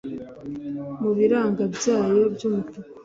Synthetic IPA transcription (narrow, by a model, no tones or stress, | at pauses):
muβiɾaːŋɡabjaːjo̞bjuːmutukḁ